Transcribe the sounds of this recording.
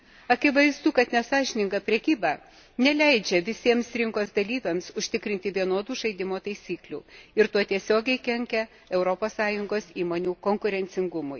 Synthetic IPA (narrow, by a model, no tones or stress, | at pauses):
ɐkʲɪʋɐɪzd̪uːkɐt̪nʲɛsɑːʒʲɪnʲɪŋɡɐpʲɾʲɛkʲiːbɑː | nʲɛlʲɛɪd͡ʒʲɛʋʲɪsʲiɛmsɾʲɪŋkoːsd̪ɐlʲiːʋʲɛmsʊʃʲt̪ʲɪkɾʲɪnʲt̪ʲɪʋʲiɛnoːd̪uːʒɐɪd̪ʲɪmoːt̪ɐɪsʲiːklʲṵːɪɾt̪uɔt̪ʲiɛsʲoːɡʲɛɪkʲɛŋʲkʲɛ | ɛʊɾopoːssɑːjʊŋɡoːsiːmoːnʲuːkoŋkʊɾʲɛnʲt̪sʲɪŋɡʊmʊɪ